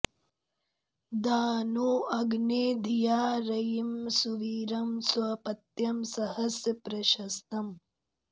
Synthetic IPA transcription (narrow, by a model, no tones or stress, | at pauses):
d̪aːnuːɐɡneːd̪ʱijaːɾɐjimsuʋiːɾɐmsʋɐpɐt̪jɐmsɐhɐsjɐpɾɐʃɐst̪ɐm